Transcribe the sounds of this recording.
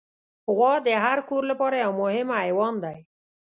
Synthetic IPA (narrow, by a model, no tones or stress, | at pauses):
ɣɔd̪eɦaɾkʰuɾləpɔɾɛawmoɦemajwɔnd̪aj